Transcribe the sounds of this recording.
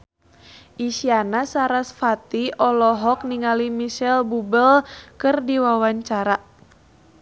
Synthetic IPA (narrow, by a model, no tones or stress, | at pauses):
ʔisianasaɾasfat̪iɔlɔɦɔk̚niŋalimiʃɛlbubəlkɨrdiwawaɲt͡ʃaɾa